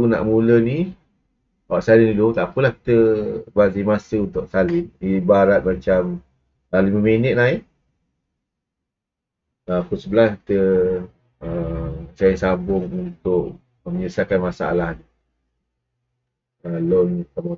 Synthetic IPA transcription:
una̰ʔmuləni | waʔsalɪnilut̪aʔpəlahki̥t̪əbazimasəunt̪ʊʔsalɪnibaɾat̪̚mat͡ʃam | laliməmenət̪̚naiʔ | apəsəbəlaski̥t̪ə | ət͡ʃainsabʊŋunt̪ʊʔ | məɲəsakanmasaa̰lahni | əlonsam

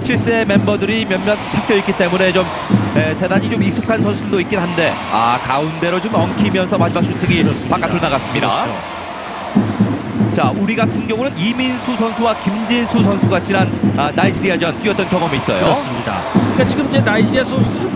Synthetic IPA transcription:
ɕʰiɭs͈e̞me̞mbʌdɯɾimjʌnmʌnsʰap͈ʰjʌik͈it͈e̞mune̞t͡ɕom | ete̞daɲit͡ɕomik̚sʰo̥kʰansʰʌnsʰuɭdoik͈inɦande̞a̰kaunde̞ɾot͡ɕomʌŋkʰimjʌnsʰʌmad͡ʑimak̚s͈utʰeɡispak͈auɭnaɣas͈ɯmɲida̰o | t͡ɕaʔuɾiɡatʰɯnɡjʌŋunɯniminsʰusʰʌnsʰuwakimd͡ʑinsʰus̬ʰʌnsʰuɡat͡ɕinananaid͡ʑiɾiad͡ʑʌnt͈iʌt͈ʌnkjʌŋʌmiːs͈ʌ̰jos͈mida̰ik͈at͡ɕiɡɯmid͡ʑe̞naid͡ʑiɾiesʰʌnsʰu

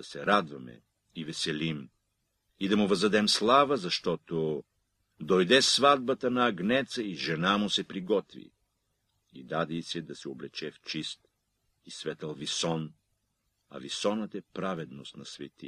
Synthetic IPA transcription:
ɐsɛɾad̪vɐmɛ̰ | ivɛsɛlim | id̪ɐmʊvɐzd̪ɐd̪ɛmslˠavəzɐʃt̪ɔt̪o | d̪ojd̪ɛsvad̪̚bɐt̪ɐnɐːɡnɛt̪səiʒɛnamʊsɛpɾiɡɔt̪vḭ | ḭd̪ad̪ɛisɛd̪ɐsɛoblɛt͡ʃɛft͡ʃist̪ | isvɛt̪əlˠvisɔn | ɐ̰visɔnət̪ɛpɾavɛd̪nost̪nɐsvɛ̰t̪ḭ

